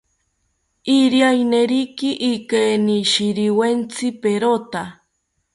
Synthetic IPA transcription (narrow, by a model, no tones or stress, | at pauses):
iɾiajneɾikiʔːkeːniʃiɾiwent͡sʰipeɾot̪a